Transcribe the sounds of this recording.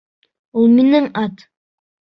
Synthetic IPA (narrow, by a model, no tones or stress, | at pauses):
ulˠminɪŋɑt̪